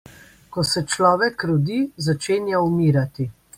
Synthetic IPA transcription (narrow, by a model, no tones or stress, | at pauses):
kɔsɛt͡ʃlɔːʋɛkɾɔd̪izat͡ʃeːnjaumiːɾat̪i